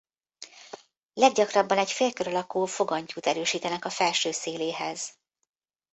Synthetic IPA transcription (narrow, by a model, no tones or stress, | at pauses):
lɛɡ̚ɟɒkrɒbːɒnɛcfeːrkøɾɒlɒkoːfo̞ɡɒɲcuːt̪ɛɾøːʃiːt̪ɛnɛkɒfɛlʃøːseːleːɦɛz̥